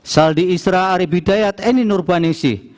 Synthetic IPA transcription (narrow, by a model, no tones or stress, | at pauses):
saldiːsɾaːɾibidajat̪eninʊrbanisḭ